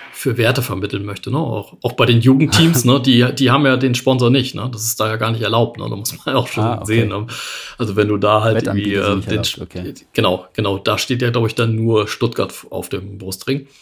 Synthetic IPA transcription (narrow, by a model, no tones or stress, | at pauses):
fyːɐveːɐtəfɛɐmɪtl̩nmœçtənəa̰ʊxʔaʊxb̥aɪɾeːnjuːɡŋ̩ttʰːiːmsnədiːd̥iːhaːbm̩jaːdeːnʃpɔnzoɐnɪçtnə̰d̥asɪ̥std̥aːjaːɡaːɐnɪçtɛɐlaʊp̚tnə̰da̰ːmʊsmanjaa̰ʊxʃoːnzeːənəmʔalzovɛnduːdaːɦalviːʔɛ̰ːmdeːnɡ̥ənaʊɡ̥ənaʊd̥aːʃteːtjaːɡlaʊbəɪçd̥anːuːɐʃtʊtɡ̥a̰ɐtfʔa̰ʊfd̥eːmbʁʊstʁ̥ɪŋ